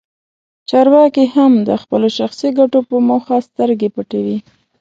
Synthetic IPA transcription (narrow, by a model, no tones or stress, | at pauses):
t͡ʃɑɾwɑkihamd̪əxpəloʃaxsiɡaʈopəmoxast̪əɾɡepaʈawi